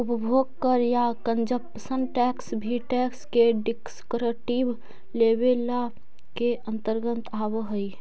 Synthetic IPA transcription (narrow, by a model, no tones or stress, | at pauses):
ʊpəbʱoːɡ̚kəɾjakə̃nd͡ʒəpəsə̃nd̪ʈɛːksbʱiʈɛːkskeɖɪkskɾəʈib | leːbela | keə̃nt̪əɾɡə̃nt̪aːʋɦəi